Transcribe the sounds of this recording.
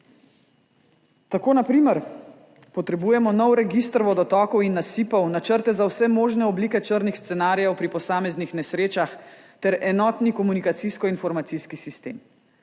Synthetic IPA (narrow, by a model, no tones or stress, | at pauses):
t̪akoːnapɾiːməɾ | pɔt̪ɾɛbuːjɛmɔnɔwɾɛɡist̪ɾɔʋɔd̪ɔt̪ɔkɔwinːasiːpɔwnat͡ʃəɾt̪ɛzawsɛmoːʒnɛɔbliːkɛt͡ʃəɾnixst̪sɛnaːɾjɛwpɾipɔsaːmɛznixnɛsɾeːt͡ʃax | t̪ɛɾɛnɔːt̪nikɔmunikat̪siskɔinfɔɾmat̪siskisist̪ḛːm